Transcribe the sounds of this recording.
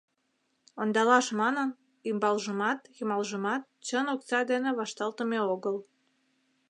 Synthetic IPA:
ond̪ɑlɑʃmɑnən | ymbɑlʒəmɑt̪jymɑlʒəmɑt̪̚t͡ɕənokt͡sɑd̪eneβɑʃt̪ɑlt̪əmeoɣəl

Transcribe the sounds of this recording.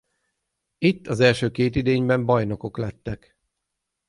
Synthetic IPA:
it̪ːɒzɛlʃøːkeːt̪id̪eːɲbɛmbɒjno̞ko̞klɛt̪ːɛk

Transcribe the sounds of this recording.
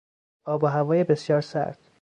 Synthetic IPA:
ɒːboɦævɒːjebe̞sjɒːɾsæ̰ɾt̪

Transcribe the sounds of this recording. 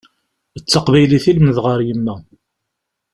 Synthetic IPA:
ət͡sːɑqvæjliθilmnəðʁəɾjəmːæ

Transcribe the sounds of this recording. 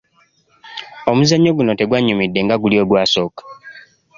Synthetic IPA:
omuzaɲːo̞ɡuno̞te̞ɡwaɲːumidːe̞ŋɡaɡulio̞ːɡwaːso̞ːkḁ

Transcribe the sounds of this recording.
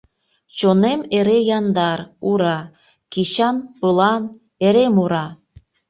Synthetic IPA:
t͡ɕonemeɾejɑnd̪ɑɾuɾɑ | kiɕɑnpɯlɑn | eɾemuɾɑ

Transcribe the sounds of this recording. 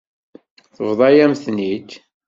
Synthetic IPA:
θəvðˤɑjæmθnid̪

